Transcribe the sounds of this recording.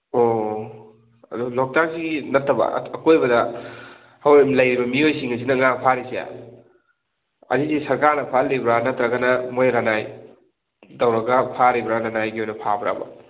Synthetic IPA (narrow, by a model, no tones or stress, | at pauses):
o | ɐdulok̚taɾsiɡinɐtʰːɐbɐ̰ɐkojbɐdɐ | hɐwejmlɐjɾibɐmiojsiŋɐs̬inɐŋapʰaɾisija̰ | ɐ̰dizisɐɾkaɾnɐpʰalːibɾanɐtɾɐɡɐnɐmojɾanaj | dɐwɾɐɡɐpʰaɾibɾaɾanajɡiojnɐpʰabɾa̰bɐ̰